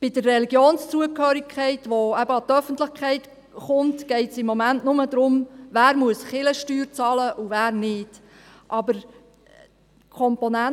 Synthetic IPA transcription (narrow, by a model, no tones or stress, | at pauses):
b̥ɪdərːɛliɡjoːnst͡suəkhœːɾikχɛɪtʋoæbəɑt̪œfənt̪lɪχkχɛɪt | χʊmtɡ̥ɛɪtsɪmːɔmæntnʊməd̪ɾʊmʋæːɾmuəsχɪləʃtyːɾt͡sɑːləʔuvæːɾnɪd | ʔɑbəɾ | kʰɔmponæ